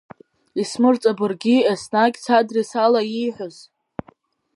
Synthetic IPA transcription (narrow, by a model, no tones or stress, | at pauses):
ismɨrt͡sʼabɨrɡʲiesnakʲt͡sʰadrisalajiħʷᶣʊz